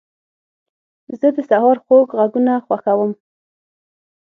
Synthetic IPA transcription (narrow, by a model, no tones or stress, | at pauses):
zəd̪əsahɑɾxoɡɣaɡunaxwaxawəm